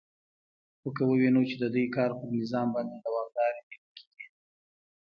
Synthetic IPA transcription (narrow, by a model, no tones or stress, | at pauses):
xəkəwəwinut͡ʃed̪əd̪ujkɑɾpəɾnɪzɑmbɑnd̪ed̪awɑɣd̪ɑɾedeɾkʰe̥ɡ̥i